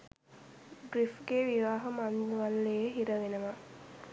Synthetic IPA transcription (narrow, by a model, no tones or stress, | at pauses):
ɡɾifɡeːʋiʋaːɦəmanalːeɦiɾəʋenəʋa